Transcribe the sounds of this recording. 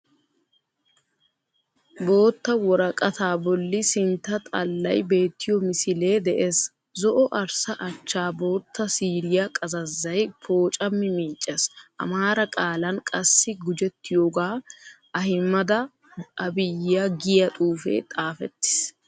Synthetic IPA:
bo̞ːt̪ːɐwɔɾɐkʼɐt̪aːbɔlːɪsɪnt̪ːɐt̪ʼɐlːɐ̰jbe̞ːt̪ːɪjɔmɪsɪle̞ːd̪ɛʔeːs | zɔʔɔʔɐɾsɐʔɐt͡ʃːaːbo̞ːt̪ːɐsiːɾɪjɐkʼɐzɐzːɐjpʰo̞ːt͡ʃʼɐmːɪmɪːt͡ʃʼːɛsʔɐ̰maːɾɐkʼaːlɐnkʼɐsːɪɡʊd͡ʒɛt̪ːɪjoːɡaː | ɐhɪmːɐd̪ɐ | ʔɐbɪjːɐɡɪjɐt̪ʼuːfḛːt̪ʼaːfɛ̰t̪ːɪ̥s

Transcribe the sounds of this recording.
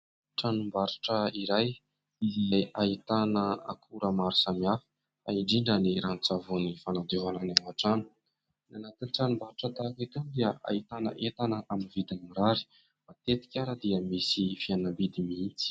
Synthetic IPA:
ʈ͡ʂanumbaɾiʈ͡ʂəiɾaj | izajait̪anəa̰kʰuɾəmaɾusamiafi̥ | aiɖ͡ʐiɳɖ͡ʐəniɾant͡savunifanad̪eɦananaŋaʈ͡ʂanə̥ | nanat̪iniʈ͡ʂanumbaɾiʈ͡ʂət̪akit̪ud̪iəʔa̰it̪anə̰ʔet̪anəʔaminvid̪amiɾaɾi̥ | mat̪et̪i̥kʲaɾəd̪iəmisifianambid̪imiint͡si̥

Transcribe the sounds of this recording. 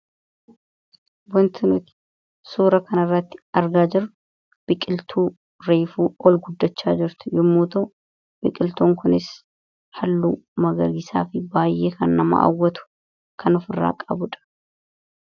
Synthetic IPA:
wɐnt̪ʰɪnʊt̪ɪ̥ | suːɾɐkɐnɐrːɐt̪ːɪ̥ɐɾɡaːd͡ʒɪɾːʊ | b̥ɪkʼɪlt̪ʰuː | ɾeːfuːɔlɡʊd̪ːɐt͡ʃːaːd͡ʒɪɾt̪ʊ̥jɪmːuːt̪ɐ | b̥ɪkʼɪlt̪oːŋkʊnɪs | hɐlːuːmɐɡɐɡɪsa̰ːfɪbaːjːʔeːkʰɐnːɐmɐ̰a̰wːɐt̪ʊ̥ | kʰɐnɔfɪrːa̰ːkʼɐbʊᶑɐ̥

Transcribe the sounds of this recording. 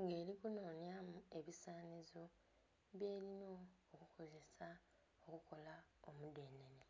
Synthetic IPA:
ŋɡe̞ːɾikuno̞ːnjamue̞βisaːnezo | βje̞ːɾino̞ːkukʰo̞ze̞sa | okuko̞la | omude̞ːnene

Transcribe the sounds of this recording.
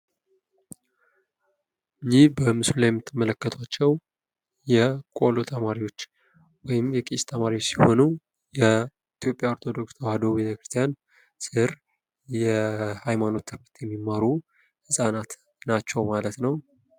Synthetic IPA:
jihbəmɨsulajɛmːɨt̪ʰːɨmːələkːət̪ʰwat͡ʃːɛw | jɛkʼolot̪ʰəmaɾiwo̞t͡ʃː | wɔjɪmjɛkʼist̪ʰəmaɾiwot͡ʃːsiho̞nu | jɛ | it̪ʰjo̞pʼjaoɾt̪ʰo̞d̪o̞ksawad̪o̞bet̪ʰekɾɨ̥st̪ʰijan | sɨɾ | jɛhajmano̞t̪ːɨfɨɾt̪jɛmːimːaɾu | hɨsʼanat̪ | nat͡ʃːɛwmalət̪nəw

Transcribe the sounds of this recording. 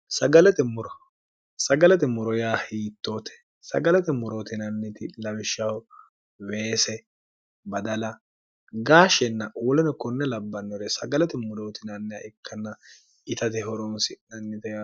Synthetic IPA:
sɐɡɐlɛt̪ɛmʊɾɔ | sɐɡɐlɛt̪ɛmʊɾɔjaːhiːt̪ːoːt̪ɛ̥ | sɐ̰ɡɐlɛt̪ɛmʊɾoːt̪ɪnɐnːɪt̪ɪlɐwɪʃːɐw | weːsɛ | bɐd̪ɐlɐ | ɡaːʃɛnːɐʔuːlɛnɔkɔnːɛlɐbːɐnːɔɾɛsɐɡɐlɛt̪ɛmʊɾoːt̪ɪnɐnːɛɐ̰ʔɪkʰːɐnːɐ | ɪt̪ɐt̪ɛɦɔɾɔnsɪnɐnːɪt̪ɛja

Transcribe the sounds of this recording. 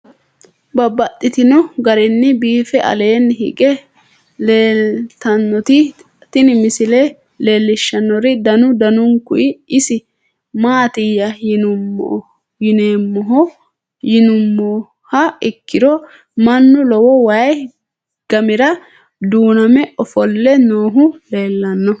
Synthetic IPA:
bɐbːɐt̪ʼːɪt̪ɪnɔɡɐɾɪnːɪbiːfɛʔɐ̰le̞ːnːɦɪ̰kʼɛ | leːlt̪ɐnːɔt̪ɪ | t̪ɪnɪmɪsɪle | leːlːɪʃːɐnːɔɾɪd̪ɐnʊd̪ɐnʊŋkʊʔɪɪsɪ | maːt̪ɪjːɐjɪnʊm̰ː | jɪneːmːɔɦɔ | jɪnʊmːɔ | hɐɪkːɪd̪ɔ | mɐnːʊlɔwɔwɐj | ɡ̥ɐmɪɾɐ | d̪uːnɐmɛɔfɔlːɛnoːɦʊle̞ːlːɐnːɔ

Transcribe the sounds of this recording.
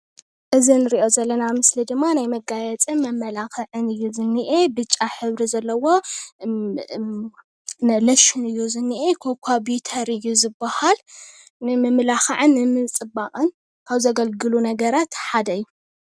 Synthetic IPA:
ʔɨzinɨɾiʔo̞zɐlːɐnamɨslid̪ɨmːanajmɐɡajɛt͡sʼɨnmɐmːɐlaxɐʕɨnɨjːuzɨnːɨʔebɨt͡ʃʼːaħɨβɾizɐlːɐwo̞ | nɨlɐʃɪnɨjːuzɨnːiʔekʰokʰʷabit̪ʰɐɾɨjːuzɨbːahal | nɨmɨmlaxɐʕɨnːɨmɨt͡sʼɨbaqʼɨn | kʰaβzɐɡɐlɡɨlunɐɡɐɾat̪ħad̪ɐɨjːu

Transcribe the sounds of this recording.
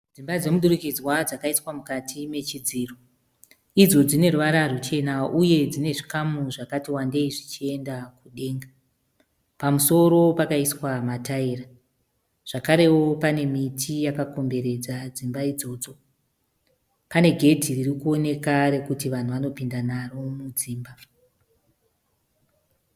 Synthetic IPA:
d͡zimbad͡ze̞muɗuɾukid͡zwad͡zakaiswamukatʰime̞t͡ʃid͡ziːro | id͡zo̞d͡zine̞ruʋaɾarut͡ʃe̞naʔuje̞d͡zine̞ʐikamuʐakatiwande̞iʐit͡ʃie̞ndakuɗe̞ːŋɡa | pamuso̞ɾo̞pakaiswamataira | ʐ̥akaɾe̞wo̞pane̞mitʰijakako̞mbe̞ɾe̞d͡zad͡zimbaid͡zo̞ːd͡zo̞ | pane̞ɡʱe̞tiririkuo̞ne̞kaɾe̞kutiʋan̤uʋano̞pindanaro̞mud͡ziːmba

